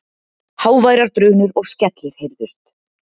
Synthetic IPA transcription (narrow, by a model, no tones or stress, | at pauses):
haːwvaːjɾaɾ̥t̪ɾʏːnʏɾɔɣscɛt̪lɪɾ̥hejɾðʏɾ̥t̪